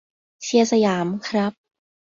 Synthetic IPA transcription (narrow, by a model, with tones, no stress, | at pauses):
si˧˩əsa˧jaː˩˦mkʰɾa˦˥p̚